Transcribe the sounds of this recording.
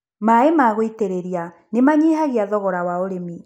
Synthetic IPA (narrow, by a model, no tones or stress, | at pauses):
maemaɣoiteɾeɾia | nemaɲeɦaɣeaðɔɣɔɾawaoɾemi